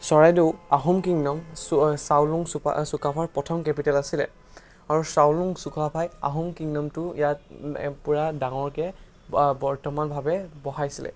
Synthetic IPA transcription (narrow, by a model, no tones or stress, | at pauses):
sɔɹajdeʊaɦumkiŋnɔmsawluŋssukapʰaɹpɹɔtʰɔmkɛpitalasilɛ̰ | aɹusawluŋsukapʰaja̰ɦumkiŋnɔmtʊḭjatpuɹadaŋɔɹkɛ | bɔɹtɔmanbʱabɛbɔɦajsilɛ̰